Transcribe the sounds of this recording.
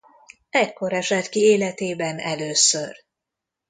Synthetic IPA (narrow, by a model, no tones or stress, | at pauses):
ɛcko̞ɾɛʃɛt̪kieːlɛt̪eːbɛnɛløːsør